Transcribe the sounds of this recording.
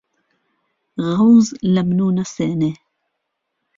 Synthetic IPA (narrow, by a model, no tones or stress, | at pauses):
ɣawzlamnunaseːne